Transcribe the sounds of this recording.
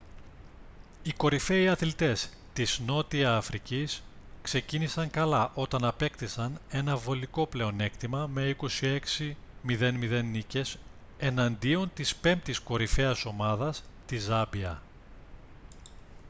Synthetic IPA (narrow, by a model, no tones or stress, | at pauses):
iko̞ɾife̞iɐθlit̪e̞s | t̪izno̞t̪iɐːfɾiciskse̞cinisɐŋkɐlɐʔo̞t̪ɐnɐpe̞kt̪isɐne̞nɐvo̞liko̞ple̞o̞ne̞kt̪imɐme̞iko̞sie̞ksimiðe̞nmiðe̞nːice̞s | e̞nɐnd̪io̞nt̪ispe̞mp̚t̪isko̞ɾifeɐso̞mɐðɐst̪izɐbiɐ